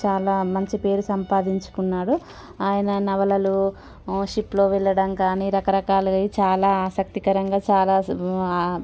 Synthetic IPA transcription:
t͡ʃaːlaːmɐɲt͡ʃipe̞ːɾusɐmpaːd̪iɲt͡ʃu̥kunːaːɽu | aːjɐnɐnɐʋɐlɐlu | ʃiplo̞ːʋɛɭːɐɽɐŋkaːniːɾɐkɐɾɐkaːlɐɐit͡ʃaːlaːaːsɐk̚t̪ikɐɾɐŋɡaːt͡ʃaːlaː

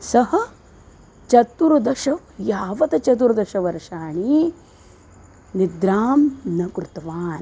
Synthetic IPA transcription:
sɐɦɐ̆ | t͡ʃɐt̪uɾud̪ɐʃɐʋjaːʋɐt̪ɐt͡ʃɐt̪̬uɾd̪ɐʃɐʋɐɾɐʃaːɳi | nid̪ɾaːmnɐkɾut̪ʋaːn

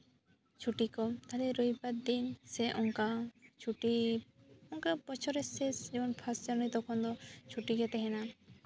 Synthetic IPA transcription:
t͡ʃʰuʈikɔmt̪aɦlɛɾojpat̪ːinsɛʔɔŋkat͡ʃʰuʈi | ɔŋkabɔt͡ʃʰɔɾɛsɛsd͡ʒɛmɔnpʰast͡ʃaɾnit̪ɔkʰɔnd̪ɔt͡ʃʰuʈiɡɛt̪ɛɦɛna

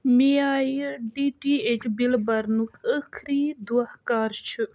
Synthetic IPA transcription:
miaːjɖiʈiet͡ʃbilbɐɾnukəkʰɾiːd̪uahkaːɾt͡ʃʰɨ

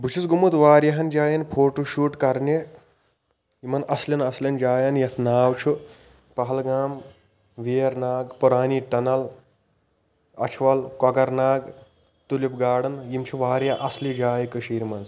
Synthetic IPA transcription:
bʱut͡ʃʰit͡sɡumut̪ʋaːɾjɐɦɐnd͡ʒaːjɐnpʰoːʈuʃuːʈkɐɾne | jimɐnʔɐslɐnɐslʲɐnd͡ʒaːjɐnjɐt̪ʰnaːwt͡ʃʰu | pɐɦɐlɡaːm | ʋeːɐɾnaːɡpuɾaːniʈɐnɐl | ɐ̰t͡ʃʰʋɐlkɐɡɐɾnaːɡ | t̪ulipɡaːɽɐnjimt͡ʃʰuʋaːɾjɐʔɐslid͡ʒaːjkəʃiːɾimɐnz

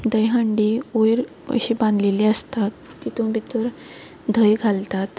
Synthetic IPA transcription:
d̪əjɦəɳɖiːojɾ | ə̰ɕibãnd̪ʱleliːəst̪at̪ːit̪ũbʱit̪əɾ | d̪ʱəjɡʱalt̪at̪

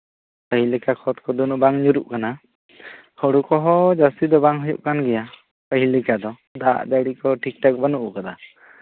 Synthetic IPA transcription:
pəɦilɛkakʰɔt̪̚kɔd̪unuʔbaŋɲuɾuʔkana | hɔɽukɔɦɔd͡ʒast̪id̪ɔbaŋɦujṵʔkanɡɛja | pəɦilikad̪ɔ | d̪a̰ʔd̪aɽikɔʈʰik̚ʈɔk̚banuʔkad̪a

